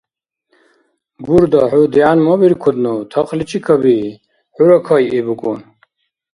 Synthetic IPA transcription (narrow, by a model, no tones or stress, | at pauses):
ɡuɾd̪aħud̪ianmɔbiɾkʰɔd̪nut̪ʰɐqlit͡ʃʼikʰɐbi | ħuɾɐkʰajibukʼṵn